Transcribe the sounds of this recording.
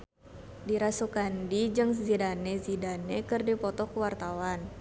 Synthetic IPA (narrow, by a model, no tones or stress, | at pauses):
diɾasukandid͡ʒɨŋzidanezidanekɨrdipɔt̪ɔkuwart̪awan